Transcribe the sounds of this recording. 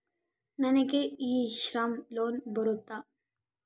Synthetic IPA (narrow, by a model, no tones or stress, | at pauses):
nɐnekeiːʃɾamloːnbəɾot̪ːa